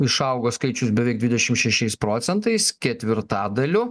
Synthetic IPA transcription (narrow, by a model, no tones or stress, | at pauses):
ɪʃɐʊɡoːskɐɪt͡ʃʲʊsbʲɛʋʲɛɪk̚d̪ʲʋʲɪd̪ʲɛʃʲɪmʃʲɛʃʲɛɪspɾoːt̪sʲɛnt̪ɐɪskʲɛt̪ʲʋʲɪɾt̪ɑːd̪ɐlʲʊ